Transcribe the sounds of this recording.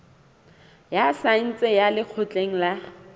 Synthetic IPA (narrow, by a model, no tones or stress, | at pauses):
jasan̩t͡sʼɪjalɪq͡χʰʊt͡ɬʼeŋ̩la